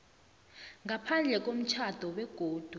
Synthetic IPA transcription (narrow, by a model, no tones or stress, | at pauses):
ŋapʰand͡ɮʱɛk̬ʼom̩t͡ʃʰad̥ʱɔwɛɡ̥ʱoːd̥ʱu